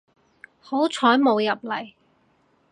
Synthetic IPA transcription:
ho˨˥wt͡ʃʰɔː˨˥jmo˨˧wjɐ˨p̚lɐ˨˩j

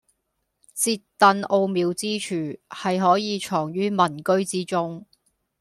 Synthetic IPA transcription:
t͡siː˧tt̪ːɐ˨˧no˧wmiː˨˧wt͡siː˥t͡ʃʰyː˨˩hɐ˨jɦɔː˨˥jiː˨˧t͡ʃʰɔː˨˩ŋjyː˥mɐ˨˩nkɵ˥ɥt͡siː˥t͡sʊ˥ŋ

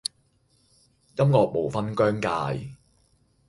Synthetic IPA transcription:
jɐ˥mkɔː˨k̚mo˨˩wfɐ˥nkœː˥ŋkaː˧j

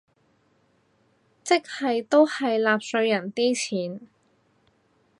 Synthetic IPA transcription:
t͡sɪ˥k̚hɐ˨jt̪o˥whɐ˨jlaː˨˧p̚sɵ˧ɥjɐ˨˩nt̪iː˥t͡sʰiː˨˩˥n

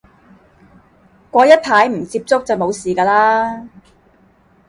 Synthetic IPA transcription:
kʷɔː˧jɐ˥t̚pʰaː˨˥jm̩˨˩t͡siː˧p̚t͡sʊ˥k̚t͡sɐ˨˩wmo˨˧wsiː˨˩kaː˧laː˥

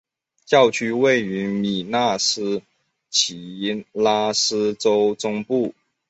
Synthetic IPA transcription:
t͡ɕjɑ˥˩ʊt͡ɕʰy˥we˥˩ɪy˧˥mi˨˩na˥˩sɹ̩˥ | t͡ɕʰi˧˥la˥sɹ̩˥ʈ͡ʂo˥ʊʈ͡ʂʊ˥ŋpu˥˩

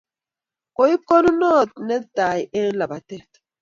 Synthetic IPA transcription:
ko˨˦i˦ko˦nu˦nɔ˦˨t̪̚nɛ˦ta˨je˦ɾla˨ba˨tɛ˦

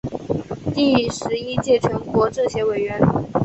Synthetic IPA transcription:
t̪i˥˩ʂɻ̩˧˥i˥t͡ɕjɛ˥˩ʈ͡ʂʰɤ˧˥ŋkwɔ˧˥ʈ͡ʂɤ˥˩ɕjɛ˧˥we˨˩ɪɥɛ˧˥n

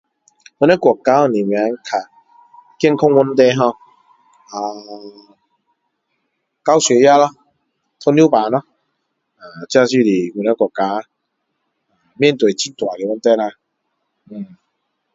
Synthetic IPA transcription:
wu˧na˦kwkːa˦ɔ˧˨nĩ˨mj̃ã˨˧˦kʰa˨˩ | kjŋkʰɔ˦˧ŋwu˧nt̪̬e˧ɦɔ̃˧ | a˨ | ka˦wse˨˦ja˦lɔ˧ | t̪ʰɔ˧nju˦pa˨nɔ̃˦ | a˨˩t͡ɕa˧s̬i˧˨li˨˩ɡu˧˨˩na˦kwɔ˨˩kːa˧˦ | a˨mjɛ̃˥˨nt̪we˨˩t͡ɕʰi˦t̪wa˨li˨wu˧˦nt̪e˧˦la˧˩

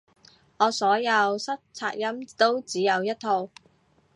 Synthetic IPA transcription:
ŋɔː˨˧sɔː˨˥jɐ˨˧wsɐ˥t̚t͡sʰaː˧k̚jɐ˥mt̪o˥wt͡siː˨˥jɐ˨˧wjɐ˥t̚t̪ʰo˧w

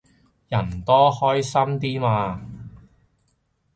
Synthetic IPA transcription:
jɐ˨˩nt̪ɔː˥hɔː˥jsɐ˥mt̪iː˥maː˧

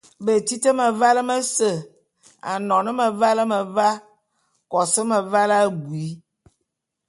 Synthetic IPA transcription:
bə˨ti˦tə˦mə˨va˦lə˦mə˦sə˨ | a̰˨nɔ̃˨nə˦mə˨va˦lə˦mə˨va˦ | kɔ˨sə˦mə˨va˦lɡu˨i˨˦

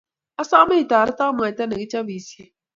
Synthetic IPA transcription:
a˦saː˦me˦i˨t̪aː˨ɾa˦t̪a˦m˨a˨t̪a˦nɐ˨ɡi˦t͡ʃa˦biː˨si˦e˦

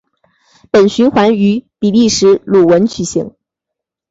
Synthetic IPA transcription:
pə˨˩nɕy˧˥nxwa˧˥ny˧˥pi˨˩li˥˩ʂɻ̩˧˥lu˨˩wə˧˥nt͡ɕʰy˨˩ɕḭ˧˥˦ŋ

